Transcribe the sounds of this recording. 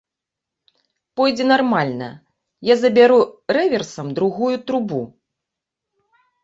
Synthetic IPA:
pɔjd͡zʲɛnarmalʲnɐ̰ | jazɐbʲaɾuɾɛvʲɛrsɐmd̪ɾuɣujut̪ɾubu

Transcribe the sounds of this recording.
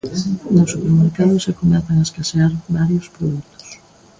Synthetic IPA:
nosːupeɾmeɾkaðʊsekomɛθaŋaeskaseaɾβaɾjospɾoðut̪ʊ̥s

